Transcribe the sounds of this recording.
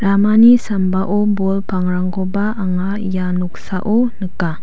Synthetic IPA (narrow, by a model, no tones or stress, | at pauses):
ɾamanisambaʔobɔlpaŋɾaŋkobaʔaŋa | januk̚saʔonəka